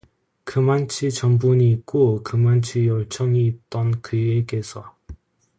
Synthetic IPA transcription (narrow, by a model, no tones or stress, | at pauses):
kɯmant͡ɕʰit͡ɕʌmbuɲiːk͈okɯmant͡ɕʰijʌɭt͡ɕʰʌŋiːt̚t͈ʌnkɯjeɡesʰʌ